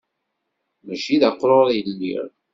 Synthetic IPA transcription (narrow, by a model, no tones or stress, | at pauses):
mæʃiðæqːɾoɾˤjəlːḭɾ